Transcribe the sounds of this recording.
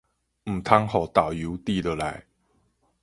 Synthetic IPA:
m̩˨˩t̪ʰa˥ŋho˨˩t̪a˨˩ʊju˨˧˦wt̪i˥˧˨d̪ə˨la˨˦ɪ

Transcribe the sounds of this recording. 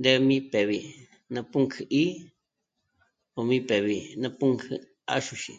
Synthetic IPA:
d̪e˦˧mĩ˦pe˨βi˨ | nã˧pu˦ŋkʰɨ˧ʔi˦ | o˨˧mĩ˦pe˨βi˨nã˧pu˦ŋkʰɨ˧ | a̰˦ʃu˧ʃḭ˨

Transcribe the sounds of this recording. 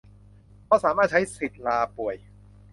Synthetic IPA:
kʰɔː˥˩saː˩˦maː˥˩t̪̚t͡ɕʰa˦˥jsi˨˩t̪̚laː˧pu˨˩əj

